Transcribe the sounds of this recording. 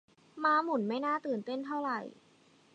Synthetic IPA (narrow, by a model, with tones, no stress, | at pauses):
maː˨˥mu˨˩˦nma˥˩jnaː˥˩t̪ɯː˨˩nt̪e˥˩nt̪ʰa˥˩wɾa˨˩j